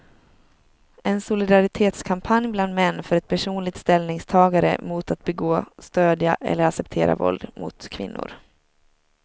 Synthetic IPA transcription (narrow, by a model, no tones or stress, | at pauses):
ɛnsʊlɪd̪aɾɪt̪ʰeːt̪skʰampʰanjbland̪mɛnːfœɾɛt̪̚pʰæʂuːnlɪɡ̚t̪st̪ɛlnɪŋst̪ʰɑːɡaɾə̰muːt̪at̪̚bɛɡoːst̪øːd̪jaʔɛ̰lːəɾaksɛp̚t̪ʰeːɾa̰vɔ̰ld̪mʊ̰t̪kʰvɪ̰nːʊ̰ɾ